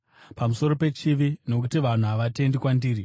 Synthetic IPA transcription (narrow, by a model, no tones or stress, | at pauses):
pamuso̞ɾo̞pe̞t͡ʃiʋino̞k̬utiʋan̤uɦaʋate̞ndikwandiːɾi